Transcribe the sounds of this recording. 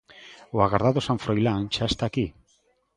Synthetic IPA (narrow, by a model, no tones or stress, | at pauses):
oaɣaɾðaðosaɱfɾojlant͡ʃaest̪aki